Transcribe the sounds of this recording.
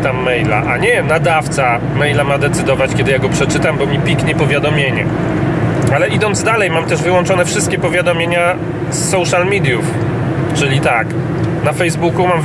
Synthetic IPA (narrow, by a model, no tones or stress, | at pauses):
t̪amːɛjla̰ʔaɲɛnad̪aft̪sa | mɛjlamad̪ɛt̪sɘd̪ɔvat͡ɕkʲɛd̪ɘjaɡɔpʂɛt͡ʂɘt̪ambɔmʲipʲikɲɛpɔvʲjad̪ɔmʲjeɲɛ̰ | alɛʔid̪ɔnd̪zd̪alɛjmamt̪ɛʐvɘwɔnt͡ʂɔnɛfʂɘst̪kʲɛpɔvʲjad̪ɔmʲjeɲa | sːɔwʂalmʲid̪juf | t͡ʂɘlʲit̪ak | nafɛjzbukumam